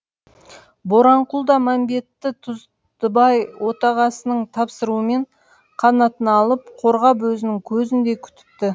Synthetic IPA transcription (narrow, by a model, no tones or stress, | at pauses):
bo̞ɾɑɴqʊlˠd̪ɑmæmbe̞t̪ːɪt̪ʰʊz | d̪əbɑjwʔo̞t̪ɑʁɑsənəɴt̪ʰɑpsəɾuəme̞ɴ | qʰɑnɑt̪ənɑlˠəp̚qʰo̞ɾʁɑp̬wɵzɪnɪŋkʲʰɵzɪnd̪e̞kʲʰʏ̥t̪ɪ̥t̪ːɪ